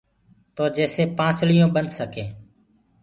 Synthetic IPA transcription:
t̪oːd͡ʒeːseːpãːsɭɪjõːɓənd̪səkeː

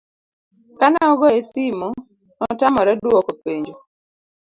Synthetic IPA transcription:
kanaɔɡɔesimɔ | nɔtamɔɾɛdwɔkɔpeɲd͡ʒo

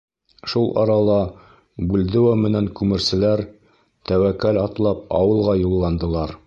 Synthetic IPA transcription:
ʃulˠʔɑ̰ɾɑlˠɑ | bʉld̪ɘ̆wæmɘ̆næŋkʉmɘ̆ɾsɘ̆læɾ | t̪æwækːælɑt̪lˠɑp̚ɑ̰wɤ̆lˠʁɑjulˠːɑnd̪ɤ̆lˠɑɾ

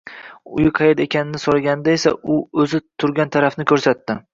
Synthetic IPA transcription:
ʊjɪqʰɑjed̪e̞kʲʰanɪnɪsoɾaɡʲanɪd̪ae̞sa̰ʊɵzɪt̪ʰʊɾɡʲant̪ʰaɾafnɪkʰʲɵɾsat̪ːɪ

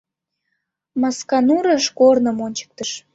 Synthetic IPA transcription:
mɑskɑnuɾəʃkornəmonʲt͡ɕə̥k̚t̪əʃ

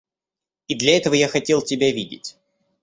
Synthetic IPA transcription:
id̪lʲɐɛt̪əvəjaxɐtʲe̞lˠtʲɪbʲavʲidʲɪ̰tʲ

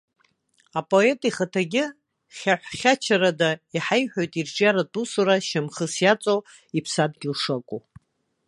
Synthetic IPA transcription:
apʼo̞e̞tʼiχatʰaɡʲɪ | χʲaħʷχʲat͡ʃʰaɾadaiħajħʷᶣojtʼirʈ͡ʂʼjaɾatʼusuɾaʃamχəsjat͡sʼow | ipʰsadɡʲɪlʂakʷʼu

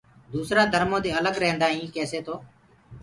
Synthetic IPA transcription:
d̪uːsɾaːd̪ʱəɾmõːd̪eːələɡɾəɦnd̪aːɦĩːkɛːseːt̪ʰoː

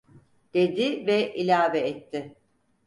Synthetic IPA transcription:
d̪̥e̞d̪ɪvɛʔilʲaːvɛːt̪ʰːɪ

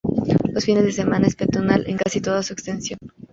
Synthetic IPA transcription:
losfine̞zðes̬e̞mãnaespet̪onalʔe̞̰ŋkasit̪o̞ð̞asuekst̪e̞nsjo̞n

